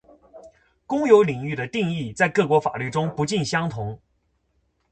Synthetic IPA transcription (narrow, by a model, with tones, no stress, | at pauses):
kʊ˥ŋjo˧˥ʊli˨˩ŋy˥˩d̪ə˩t̪i˥˧ŋi˥˩t͡sa˥˧ɪkɤ˥˩kwɔ˧˥fa̰˨˩ly˥˩ʈ͡ʂʊ˥ŋpu˧˥t͡ɕi˥˩nɕjɑ˥ŋt̪ʰʊ˧˥ŋ